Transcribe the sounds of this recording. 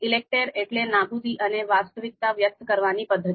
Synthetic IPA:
ilek̚ʈeɾeʈlenaɡud̪iʔəneʋast̪əʋik̚t̪aʋjək̚t̪kəɾʋanipəd̪ʱːət̪

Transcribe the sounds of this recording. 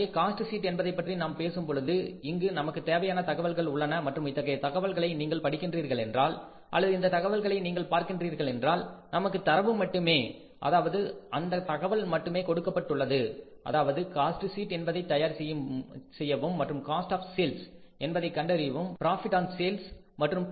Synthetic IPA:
ekaːsʈɯsiːʈːɛnbɐðɐɪpːɐʈrinaːmpeːsɯmpɔɻɯðɯɪŋɡɯnɐmɐkːɯt̪eːʋɐjaːnɐt̪ɐɣɐʋɐlɣɐɭʊɭːɐnɐmɐʈrɯmɪt̪ːɐɣɐjɐt̪ɐɣɐʋɐlɣɐɭɐɪniːŋɡɐɭpɐɽɪkːɪndriːɾɣɐɭɛndraːl | ʔɐ̰lːɐðɯɪnd̪ɐt̪ɐɣɐʋɐlɣɐɭɐɪniːŋɡɐɭpaːɾkɪndriːɾɣɐɭɛndraːlnɐmɐkːɯt̪ːɐɾɐʋɯmɐʈːɯmeː | ʔɐ̰ðaːʋɐðɯʔɐnd̪ɐt̪ɐɣɐʋɐlmɐʈːɯmeːkɔɽɯkːɐpːɐʈːɯɭːɐðɯ | ʔɐ̰ðaːʋɐðɯkaːsʈɯsiːʈɛnbɐðɐɪt̪ːɐjaːɾsɛjːɯsɛjːɐʋɯmːɐʈːrɯmkaːsʈaːfseːlsɛnbɐðɐɪkːɐɳɖɐɾɪʋɯmpɪɾaːfɪʈːaːnseːls | mɐʈrɯm

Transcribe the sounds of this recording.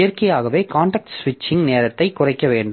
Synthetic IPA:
jɐɾkɐjaːɣɐʋeːkaːɳʈɐːk̚ʈsʋɪt͡ʃːɪŋɡneːɾɐt̪ːɐɪkːʊrɐɪkːɐʋeːɳɖɯ

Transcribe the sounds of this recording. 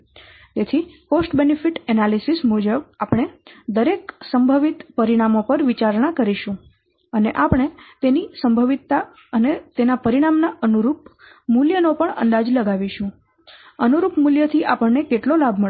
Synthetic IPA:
t̪et̪ʰiposʈbɛnifiʈɛnalisismud͡ʒəbapɳ̃ed̪əɾeksəmbʱəʋit̪pəɾiɽ̃amopəɾʋit͡ʃaɾɳakəɾiʃũ | əneʔapəɽ̃et̪enisəmbʱəʋit̪ːa | ənet̪enapəɾiɽ̃amnaʔənuɾup | muljənopəɳə̰nd̪ad͡ʒləɡaʋiʃũ | ənuɾupmuljət̪ʰiʔapəɳnekeʈlolabʱmə

